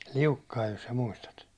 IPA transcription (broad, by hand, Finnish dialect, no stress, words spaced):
liukːɑij jos sɑ muistɑt